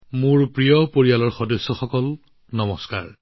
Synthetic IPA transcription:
mʊɹpɹijɔpoɹialɔɹxɔdɔsːɔxɔkɔl | nɔmɔska̰ɹ

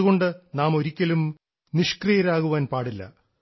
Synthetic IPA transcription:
ɣo̞ɳɖɨnaːmo̞ɾikʲːɐlum | niʂkrijɐɾaːɣuʋaːnpaːɽilːɐ̰

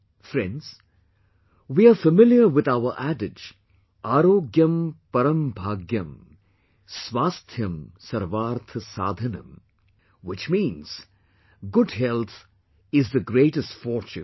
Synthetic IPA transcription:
fɾɛ̰̃nɖz̥ | wiːafəmɪljəɾwɪd̪aʊəɾʔæɖɪd͡ʒ | ʔaːɾoːɡjə̃mpɐɾə̃mbʱaːɡjɐ̃m | sʋaːst̪ʰjɐ̃msɐɾʋaːɾt̪ʰəsa̰ːd̪ʱɐnɐ̰̃m | wɪt͡ʃmĩːnz̥ | ɡʊɖɦɛlt̪ʰ | ɪzðəɡɾeːʈəsʈfɔɾt͡ʃṵ̃n

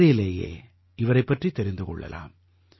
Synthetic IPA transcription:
ɾɪjɪleːjḛː | ʔɪʋɐɾɐɪpːɐʈrit̪ːɛɾɪnd̪ɯkɔ̰ɭːɐ̰la̰ːm

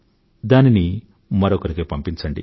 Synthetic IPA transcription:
d̪aːnini | mɐɾɔkɐɾikeːpɐmpiɲt͡ʃɐɳɖḭ

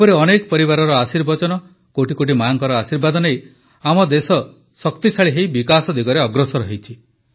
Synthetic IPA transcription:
epɔɾeɔnekɔpɔɾibaɾɔɾɔasiɾbɔt͡ʃɔnɔ | koʈikoʈ̬imaaŋkɔɾɔasiɾbad̪ɔnej | amɔd̪esɔ | sɔkt̪isaɭiɦejbikasɔd̪iɡɔɾeɔɡɾɔsɔɾɔɦit͡ʃʰi

